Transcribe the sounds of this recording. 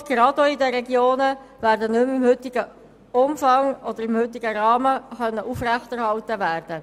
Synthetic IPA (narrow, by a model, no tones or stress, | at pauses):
ɡ̥ɾɑdoidəɾɛɡjoːnəvæːɾdənʏmɪmhʏt̪ɪɡə | ʊmfɑŋɔd̥̪əɾɪmhʏt̪ɪɡəɾɑːməχœnːəʔuːfræçtæɾhɑltəvæːrd̥ə